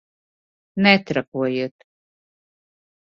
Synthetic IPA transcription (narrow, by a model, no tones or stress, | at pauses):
nɛt̪ɾakuɔjiːt̪